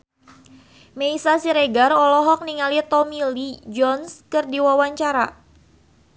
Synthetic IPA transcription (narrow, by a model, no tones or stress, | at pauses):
meisasiɾeɡarɔlɔɦɔk̚niŋalit̪ɔmilid͡ʒɔnskɨrdiwawaɲt͡ʃaɾa